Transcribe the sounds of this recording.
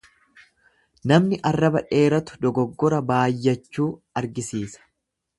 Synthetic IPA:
nɐmnɪʔɐrːɐbɐᶑe̞ːɾɐt̪ʊ̥d̪ɔɡɔɡːɔɾɐbaːjːɐt͡ʃːuː | ɐɾɡɪsiːsɐ̥

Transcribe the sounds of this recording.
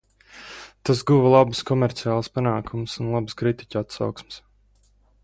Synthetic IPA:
t̪asɡuvalˠabɨskɔmɛɾt̪siaːlˠspanaːkʰumsunlˠabskɾit̪i̥cʲat̪sa̰wksmɪ̥s

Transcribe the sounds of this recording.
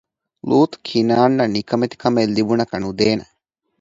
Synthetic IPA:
luːt̪kʰinaːɳːɐnikɐmet̪i̥kɐmelːibunɐkɐnud̪eːnɐ

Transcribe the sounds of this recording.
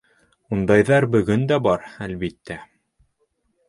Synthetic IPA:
und̪ɑjðɑɾbɵ̆ɡɵnd̪æbɑɾælβit̪ːæ

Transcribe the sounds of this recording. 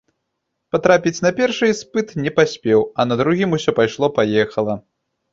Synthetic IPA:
pat̪ɾapʲit͡sʲnɐpʲɛrʂɨjspɨt̪nʲɛpasʲpʲɛwɐnɐd̪ɾuɣʲimusʲɔpajʂlˠɔpajɛxɐlˠɐ

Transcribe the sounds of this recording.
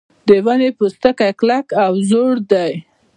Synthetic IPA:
d̪əwanepəst̪əkajklakawzoɽd̪aj

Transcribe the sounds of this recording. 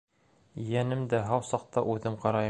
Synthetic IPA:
jænɘmd̪æɦɑwsɑq̚t̪ɑʔʉðɘmqɑɾɑj

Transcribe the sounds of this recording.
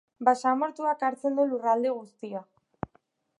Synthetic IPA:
basamoɾt̪uakaɾt͡se̞nd̪ulurald̪eɣ̞ust̪ia

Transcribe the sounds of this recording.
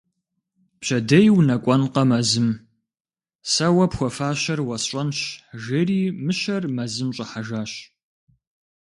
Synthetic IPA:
pɕʰɐdɐjwnɐkʷʼɐnqɐmɐzɨm | sɐwɐpxʷɔfaːɕɐrwɐsɕʷʼɐnɕʒɪriːmɨɕɐrmɐzɨmɕʼɐħaʒaːɕ

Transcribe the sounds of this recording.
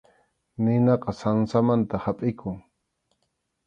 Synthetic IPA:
nɪnɑqɑsaŋsamant̪ahapʼɪkʰʊŋ

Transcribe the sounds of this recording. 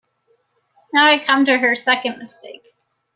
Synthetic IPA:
naʊaɪkʰʌ̃mtɨə˞sɛkɨ̃nmɨstʰeɪk

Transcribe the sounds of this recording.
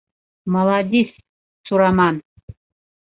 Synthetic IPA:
mɐlˠɑd̪ʲis | sʰuɾɑmɑn

